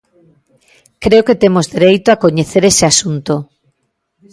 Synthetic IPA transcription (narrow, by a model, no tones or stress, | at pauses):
kɾeoket̪emozðeɾejt̪oakoɲeθeɾeseasunt̪o